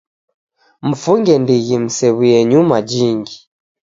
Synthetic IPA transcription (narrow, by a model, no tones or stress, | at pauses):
m̩fuŋɡɛndiɣim̩sɛβujɛɲumad͡ʒiŋɡi